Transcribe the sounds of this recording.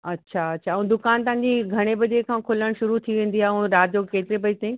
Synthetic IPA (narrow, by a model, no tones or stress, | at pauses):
ɐtːɕʰaɐtːɕʰã̆d̪ʊkaːnt̪ɐ̃ɦɪ̃ɲ̆d͡ʑiɡʱɐɽ̃ebɐd͡ʑekʰãːkʰʊləɽ̃ʃʊɾut̪ʰiʋẽːn̆d̪iaːɦũɾaːjoːkeːt̪ɪɾebɐd͡ʑt̪ẽ